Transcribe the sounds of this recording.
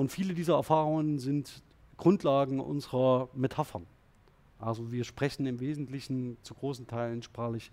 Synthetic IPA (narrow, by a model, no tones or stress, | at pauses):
ʔʊntfiːlədiːzɐɛ̰ɐfaːʁʊŋənzɪnt | ɡ̥ʁʊntlaːɡŋ̩ʔʊ̰nzəʁɐmetʰafɐn | ʔalzoviːɐʃpʁ̥ɛçn̩ɪmveːzn̩tlɪçn̩t͡suɡʁoːsn̩tʰaɪlən̩ʃpʁ̥aːχlɪç